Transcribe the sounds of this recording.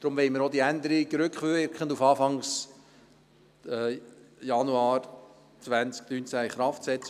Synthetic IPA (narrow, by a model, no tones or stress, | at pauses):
d̪̥ɾʊmʋɛɪməɾod̪iænd̪əɾiɡɾʏkχʋøɾkχəndufɑːfɑŋs | jɑnuɑːɾ | t͡svænt͡sk̚nynt͡sæiχɾɑftsɛt͡sə